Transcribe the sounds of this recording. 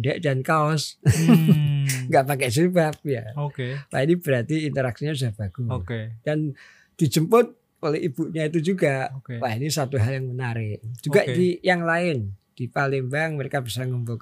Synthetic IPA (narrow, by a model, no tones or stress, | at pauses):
dɛʔd͡ʒankaɔs | ŋɡaʔpakɛs̬ebap̚jaokewa̰inib̥əɾat̪iːnt̪əɾaksiɲausahb̥aɡ̥uoked̥an | d̥i̤d͡ʒəmpʊt̪̚ | olɛʔib̥uʔɲait̪̬ud͡ʒuɡaʔwainisat̪uɦaljaŋmənaɾɪʔd͡ʒuɡaʔdijaŋlaɪnd̥ipalimbaŋməɾekabisaŋəmbok